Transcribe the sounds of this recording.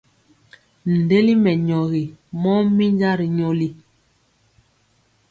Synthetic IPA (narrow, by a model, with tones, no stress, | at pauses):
n̩˨de˦li˦mɛ˨ɲɔ˨ɣi˨mɔ˦mi˦nd͡ʒa˦ɾi˨ɲo˦li˦